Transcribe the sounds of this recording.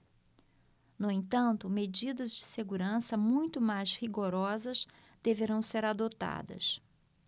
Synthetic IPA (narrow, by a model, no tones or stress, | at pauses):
nʊẽt̪ɐ̃nt̪ʊmed͡ʒid̪ɐzd͡ʒɪseɡuɾɐ̃sɐmũj̃t̪ʊmajzhiɡoɾɔzɐz | d̪̥eveɾɐ̃w̃seɾad̪ot̪a̰d̪ɐ̰s